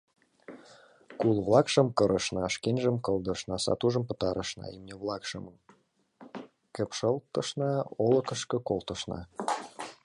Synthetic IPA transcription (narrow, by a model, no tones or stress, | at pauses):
kulβlɑkʃə̆mkə̆ɾʔəʃnɑʃkenʲʒə̆mkə̆lˠd̪ɤ̆ʃnɑsɑ̰t̪uʒə̆mpə̆t̪ɑɾəʃnɑ̰imnʲeβlɑkʃə̰̆məm | kə̆pʃə̆lt̪ə̆ʃnɑolə̆kə̆ʃkɤ̆kolˠt̪ɤ̆ʃnɑ̰